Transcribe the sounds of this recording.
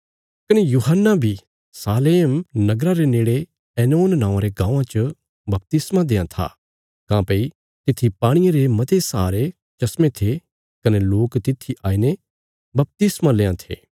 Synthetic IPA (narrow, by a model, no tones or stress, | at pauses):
kɐnejuɦənːabʱi | saːleːmnɐɡɾaɾeneːɽe | ɛːnoːnːãːãɾeɡãːãt͡ʃə | bɐp̚t̪ɪsmad̪ẽːãt̪ʰa̰ | kãːpɐi | t̪ɪt̪ʰːipaːɽ̃ijeɾemɐt̪esaːɾe | t͡ʃɐsmet̪ʰe | kɐneloːkt̪ɪt̪ʰːiʔaːine | bɐp̚t̪ɪsmãleːãt̪ʰḛː